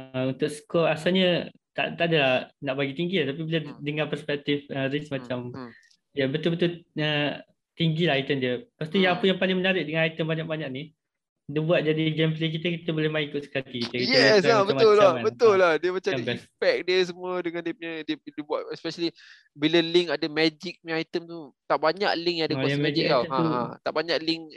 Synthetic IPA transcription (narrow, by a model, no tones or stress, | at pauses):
əunt̪ʊk̚sə̥kɔasalɲət̪a̰t̪adalahnaʔbaɡit̪iŋɡiat̪ap̬ibilədəŋãnpərspɛk̚t̪ifəɾismat͡ʃam | diəbət̪ʊlbət̪ʊlə | t̪iŋɡilahait̪əndiəpast̪ujãŋapəjaŋpalɪŋmənaɾɪʔ̚dəŋanait̪ənbaɲak̚baɲaʔ̚ni | dəbuat̪̚d͡ʒadid͡ʒɛmplek̬it̪əkit̪əbolɪhmaikʊt̪sə̥kat̪ikit̪əkijɛsabəamʊlːaãnbət̪ʊlːahdiəmat͡ʃaabɛispɛk̚diəsəmuədəŋãndiəpɲədiədibuatɛspɛʃəli | biləliŋadamɛd͡ʒik̚nĩajt̪əmt̪ut̪aʔbaɲaʔlɪŋjãadaɔamɛd͡ʒikaã̰t̪aʔbaɲaʔlɪŋ